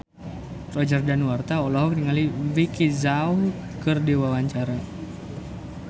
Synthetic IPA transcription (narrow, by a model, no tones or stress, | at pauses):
rɔd͡ʒərdanwart̪aɔlɔɦɔk̚niŋalivikizauhkərdiwawaɲt͡ʃaɾa